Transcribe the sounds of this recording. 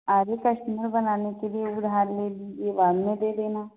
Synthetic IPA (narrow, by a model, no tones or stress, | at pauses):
aɾekəʂʈəməɾbənanakelieuɽʱaɾled̪ideʋamned̪ed̪ena